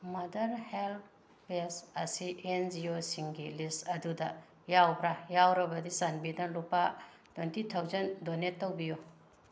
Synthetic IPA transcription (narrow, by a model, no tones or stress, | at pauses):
mɐdɐɾhel | pesɐsiʔend͡ʒiosiŋɡilistɐdudɐ | jawbɾajawɾɐbɐdisanbidɐlupːa | twentitʰawzɐndonetːɐwbiju